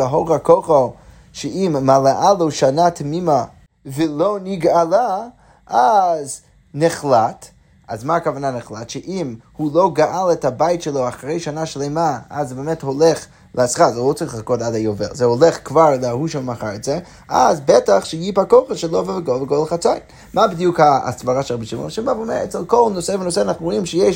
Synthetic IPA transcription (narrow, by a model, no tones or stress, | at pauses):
aɦoʁakʰoχə | ʃɛimːalaʔaloʃanatʰmima | vəloʊniɡala | ʔaz | nɪχlat | azmaːkavananɨχlatʃɛʔimhuloʊɡaʔalˠɛthabajɪtʃəloʊaχaʁejʃanaʃleɪmaazbemɛtholɛχ | lʔəasχazɛlot͡saʁiχlˠakotadajovḛlzɛoleχkvaʁlˠəahuʃɛlˠmaχaɾɛtz̥ɛ | ʔazbɛtaχʃəjipakoχəʃəlˠovəvəɡovəɡolˠχat͡sajn | mabidjukha̰svaʁaʃɛʁabiʃimo̰ʃimbavomɛɛt͡sɛlˠkolˠnosevənoseanaχnuʁoimʃəjɛʃ